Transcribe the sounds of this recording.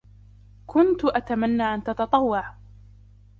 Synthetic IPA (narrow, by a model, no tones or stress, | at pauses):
kʰʊnt̪ʊʔat̪amanːaːʔant̪ɑt̪ɑt̪ˤɑwːɑʕ